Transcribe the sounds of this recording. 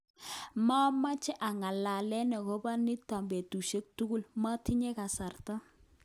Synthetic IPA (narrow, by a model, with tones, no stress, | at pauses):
ma˦ma˦t͡ʃɛ˦ʔa˨ŋa˨la˨lɛ˦nɛ˨ko˦ba˦ni˦ta˨mbɛ˨tu˨ʃe˦k̚tu˦ku˦lma˦tʰi˦ɲɛ˦ka˨sa˨rta˦